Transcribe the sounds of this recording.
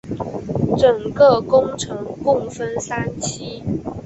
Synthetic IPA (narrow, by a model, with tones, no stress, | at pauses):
ʈ͡ʂə˨˩ŋkə˥˨kʊ˥ŋʈ͡ʂʰɤ˧˦ŋkʊ˥˩ŋfə˦nsa˥nt͡ɕʰi˥